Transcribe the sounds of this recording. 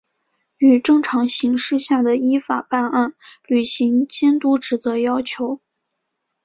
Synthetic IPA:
y˨˩ʈ͡ʂɤ˥˩ŋʈ͡ʂʰɑ˧˥ŋɕi˧˥ŋʂɻ̩˥˧ɕja˥˩d̪ə˩i˥fa˨˩pa˥˧na˥˩nly˨˩ɕi˧˥ŋt͡ɕjɛ˥nt̪u˥ʈ͡ʂɻ̩˨˩t͡sɤ˧˥jɑ˥ʊt͡ɕʰjo˧˥ʊ

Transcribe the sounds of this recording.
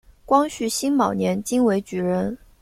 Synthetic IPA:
kwɑ˥ŋɕy˥˩ɕi˥nmɑ˨˩ʊnjɛ˧˥nt͡ɕi˥ŋwe˧˥ɪt͡ɕy˧˥ɻə˧˥n

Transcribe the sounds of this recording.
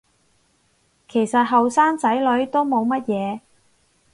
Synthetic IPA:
kʰe˨˩jsɐ˨t̚ɦɐ˨wsaː˥nt͡sɐ˨˥jlɵ˨˥ɥt̪o˥wmo˨˧wmɐ˥t̚jɛː˨˧

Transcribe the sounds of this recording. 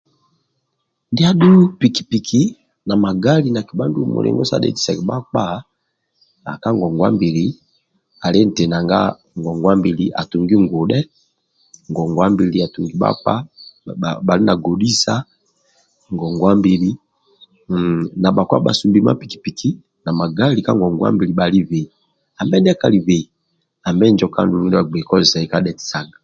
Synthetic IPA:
nde˦a˦du˦pi˨ki̥˨pi˨kʰi˦ | na˨ma˨ɡa˦li˨˦na˨ki˨ba˦ndu˦mo̰˨lʔḛ˦ŋɡo˦sa̰˦dḛ˦di˨sɛ˨kɛ˨ba˦k͡pa˦˨˦ | a˨ka˦ŋɡɔ˨ŋɡwa̰˦mbi˨li˨ | a˨le˦n̩˨te˨na˨ŋɡa̰˦ | ŋ˨ɡɔ˨ŋɡwa˦mbi˨li˨ʔa̰˨tu˨ŋɡi˦ŋɡo˨dɛ˦ | ŋɡɔ˨ŋɡwa˦mbi˨li˨a˨tu˨ŋɡi˦ba̰˦k͡pa̰˦˨ | ba˨li˦na˨ɡo˨di˦sa˦ | ŋɡɔ˨ŋɡwa˦mbi˨li˦ | na˨ɓa˨kwa̰˦ɓa̰˨su˨mbi˦ma̰˦pi˨ki̥˨pi˨ki˦ | na˨ma˨ɡa˦li˨ka˦ŋɡɔ˨ŋɡwa̰˦mbi˨li˨ɓa˨li˦ve˨i˨ | a˨mbɛ˦ndka˦li˨ve˨i˨ | a˨mbɛ˦nd͡ʒɔ˦ka̰˦ndu˨ɾu˦n˦ɛ˦a˨ɡ͡be˨kɔ˦zi˨sa˨i˦ka˦dɛ˨ti̥˨sa˨ŋɡa˨

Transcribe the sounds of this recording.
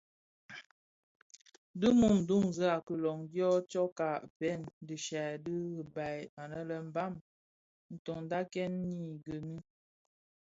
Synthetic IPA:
də˦mu˦˨m˨du˦ŋzə˦a˨kə˨lɔ˨ŋdjɔ˦t͡ʃɔ˦ka˨pɛ˦˨ndi˨ʃa˨də˦ɣba˨ja˨nə˦lə˨m̩˦ba˦˨m | n̩˨tɔ˨ŋ˦da˦kɛ˦nːi˦˨ɡə˨ni˦

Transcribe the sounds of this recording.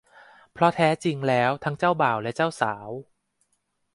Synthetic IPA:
pʰɾɔ˦˥t̪ʰɛː˦˥t͡ɕi˧ŋlɛː˦˥wt̪ʰa˦˥ŋt͡ɕaː˥˩wbaː˨˩wlɛ˦˥t͡ɕaː˥˩wsaː˩˦w

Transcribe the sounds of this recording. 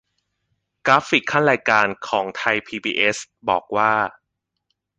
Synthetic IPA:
kɾaː˦˥fi˨˩kʰːa˥˩nɾaː˧jkaː˧nkʰɔː˩˦ŋt̪ʰa˧jpʰiː˧biː˧ʔe˦˥s | bɔ̰ː˨˩k̚waː˥˩

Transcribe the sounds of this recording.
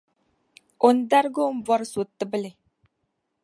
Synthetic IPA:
o˨n˦d̪a˦ɾɡo˦m˦vɔ˦ɾsu˨t̪ːɨ˦bə˦le˨

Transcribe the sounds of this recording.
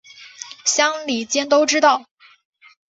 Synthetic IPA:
ɕjɑ˥ŋli˨˩t͡ɕjɛ˥nt̪o˥ʊʈ͡ʂɻ̩˥t̪ɑ˥˩ʊ

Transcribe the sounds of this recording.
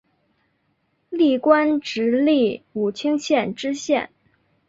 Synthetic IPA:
li˥˩kwa˥nʈ͡ʂɻ̩˧˥li˥˩u˨˩t͡ɕʰi˥ŋɕjɛ˥˩nʈ͡ʂɻ̩˥ɕjɛ̰˥˩n

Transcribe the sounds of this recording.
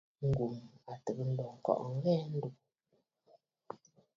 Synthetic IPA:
ŋ̩˨ɡu˨ma˨tə˨kə˦˨n̩˦dɔ˨ŋ̩˨kɔ̰˨ʔŋ̩˦ɣɛː˦n̩˦du˨k̚

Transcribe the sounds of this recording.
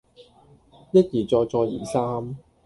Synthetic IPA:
jɐ˥t̚jiː˨˩t͡sɔː˧jt͡sɔː˧jḭː˨˩saː˥m

